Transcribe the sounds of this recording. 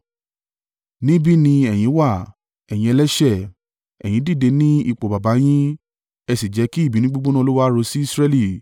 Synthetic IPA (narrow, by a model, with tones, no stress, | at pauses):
nĩ˦bi˦nĩ˧ɛ˨j̃ĩ˨˦wa˦˨ | ɛ˨j̃ĩ˧ɛ˧lɛ˦ʃɛ˦˨ | ɛ̰˨j̃ĩ˨˦di˦˨de˧nĩ˦i˦˨k͡po˨ba˨ba˨˦j̃ĩ˦ | ɛ˧si˨d͡ʒɛ˨˦ki˦i˦˨bi˨˦nĩ˦ɡ͡bu˦ɡ͡bõ˦nã˦˧lo˦wa˦ɾo˧si˦i˦˧˨sɾɛ˦li˦˨